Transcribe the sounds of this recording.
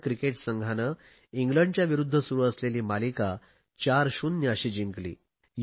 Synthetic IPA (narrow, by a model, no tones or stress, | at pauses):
kɾikeʈsəŋɡʱanə | iŋɡləɳɖt͡ɕjaʋiɾud̪ʱːəsuɾuːəsleliːmalika | t͡ɕaɾɕunnəɕiːd͡ʑiŋklḭː | j